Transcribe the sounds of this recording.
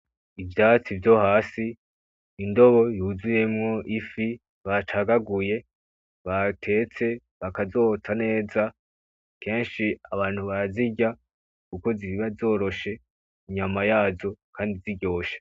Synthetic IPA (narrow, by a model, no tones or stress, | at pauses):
ivjaːt͡sivjo̞haːsiː | ndo̞βo̞juzuje̞mŋo̞ʔifi | βatʰaɡaɡuje̞ | βatʰe̞ːt͡se̞ | βakazo̞ːt͡sane̞ːza | ke̞ːnʃiaβaːn̥huβaziɟa | kuko̞ziiβazo̞ːɾo̞ʃe̞ | iɲamajaːzo̞kʰaːndiziɟo̞ːʃe̥